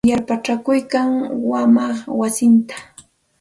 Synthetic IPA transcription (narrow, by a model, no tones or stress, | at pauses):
jaɾpat͡ʃakʊjkaŋwamaχwasɪnt̪ḁ